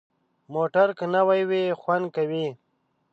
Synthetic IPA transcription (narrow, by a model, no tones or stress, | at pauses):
moːʈaɾkənawajwexwan̚kawi